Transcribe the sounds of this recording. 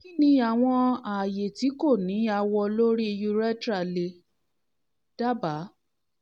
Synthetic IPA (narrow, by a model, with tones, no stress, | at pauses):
i˦nĩ˧a˨w̃ɔ̃˧a˨je˨ti˨˦ko˦˨nĩ˨˦a˧wɔ˧lo˦ɾi˦i˧ju˧ɾɛ˦tɾa˦˨le˧ | d̥a˦ba˨˦